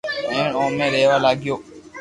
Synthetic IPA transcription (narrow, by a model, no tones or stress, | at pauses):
ɛ̃ːɽɔ̃ːmẽːɾɛːʋaːlaːɡɪjoː